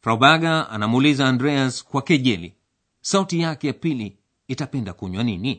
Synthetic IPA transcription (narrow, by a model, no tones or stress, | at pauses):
fɾawbaɡaa̰namuːlizaːndɾɛaskwakɛʄɛlḭ | sautijakɛjapili | itapɛndakuɲwanini